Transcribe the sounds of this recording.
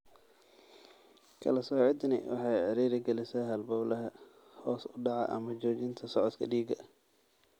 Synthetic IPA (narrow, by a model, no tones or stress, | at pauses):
kʰɐ̰lɐsɔːʕɪd̪nɪ̰wɑ̰ħɑjʕɪɾiːɾɪɡɛlɪsɛɦɐlbɐblɐɦɐ | hɔːsʊɖɑʕɑʔɐ̰mɐt͡ʃɔːt͡ʃɪnt̪ʰɐsɔʕɔt̪kʰɐ̰ɖiːɡɐ